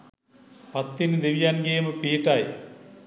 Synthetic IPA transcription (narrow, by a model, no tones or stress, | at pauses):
pat̪ːind̪eʋijanɡeːməpiːʈaj